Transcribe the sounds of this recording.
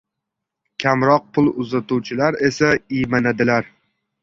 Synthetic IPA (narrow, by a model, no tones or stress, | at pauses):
kʲʰamɾɒq̚pʰʊlˠʊzat̪ʰuwt͡ʃʰɪlaɾe̞saijmanad̪ɪlaɾ